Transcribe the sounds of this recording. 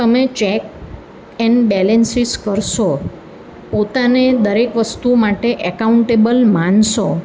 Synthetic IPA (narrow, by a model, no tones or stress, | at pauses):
t̪əmet͡ʃɛk̚ | ɛɳɖbɛlensiskəɾʃo | pot̪aned̪əɾekʋəst̪umaʈeʔəkauɳʈebəlmãnʃo